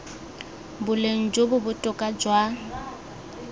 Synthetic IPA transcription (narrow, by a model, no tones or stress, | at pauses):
bʊleŋ̩d͡ʒobʊbʊtʼʊkʼad͡ʒwa